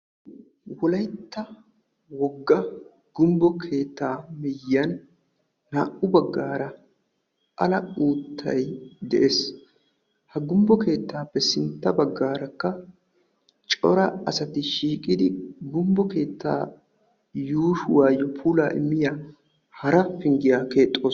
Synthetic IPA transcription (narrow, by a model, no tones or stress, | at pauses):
wɔlɐjt̪ːɐ | wɔɡːɐ | ɡ̥ʊmbɔkʰe̞ːt̪ːaːmɪjːɐnː | aːʔʊbɐɡːaːɾɐ | ʔɐlɐuːt̪ʰːɐ̰jd̪ɛʔeːs | hɐɡʊmbɔke̞ːt̪ːaːpːɛsɪnt̪ːɐbɐɡːaːɾɐkːɐ | t͡ʃʼɔ̰ɾɐɐsɐt̪ɪʃiːkʼɪd̪ɪɡʊmbɔke̞ːt̪ːa̰ː | juːʃʊwaːjɔpʰuːlaːʔɪ̰mːɪja | hɐɾɐfɪŋɡɪjaːke̞ːt̪ʼːoː